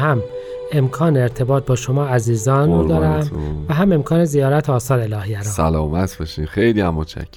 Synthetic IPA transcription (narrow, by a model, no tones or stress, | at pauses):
hæm | e̞mkʰɒːneːɾt̪ʰe̞bɒːt̪̚bɒːʃo̞mɒːæziːzɒːnud̪ɒːɾæmvæɦæme̞mkʰɒːne̞zijɒːɾæt̪ʰoːsɒːɾelɒːhijæɾɒːsælɒːmæt̪ʰb̥eʃimxejliːæmːot͡ʃʰæ̰cʰːe